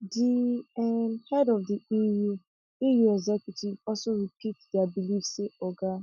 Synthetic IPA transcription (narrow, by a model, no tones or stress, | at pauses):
diɛnhɛdɔvdiiju | ijuɛɡzɛkjutivɔsoɾipitdɪabilifseɔɡa